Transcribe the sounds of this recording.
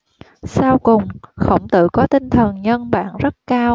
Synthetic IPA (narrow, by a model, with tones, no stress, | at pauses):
saː˧wkʊ˨˩ŋ͡mxə̰˧˥wŋ͡mt̪ɨ̰˧˨kɔ˨˦t̪ï˧ŋ̟t̪ʰə˨˩nɲə˧nɓa̰ː˧˨nzə˦˥t̚kaː˧w